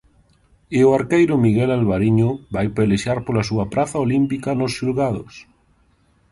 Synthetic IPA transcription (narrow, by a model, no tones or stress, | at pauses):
ɪoaɾkejɾʊmiɣɛlalβaɾiɲʊbajpeleʃaɾpolasuɐpɾʔaθaolimpikɐnʊsʃulɣaðʊ̰s